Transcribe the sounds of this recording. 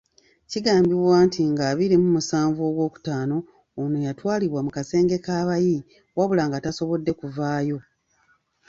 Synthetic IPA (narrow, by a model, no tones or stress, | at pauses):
ciɡaːmbiβwaːntiŋɡaːβiɾimumusaːɱvo̞ːɡwo̞ːku̥taːno̞ː | nojatwaːliβwamukase̞ːŋɡe̞kaːβaji | waβulaːŋɡataso̞βo̞dːe̞kuvaːjo̞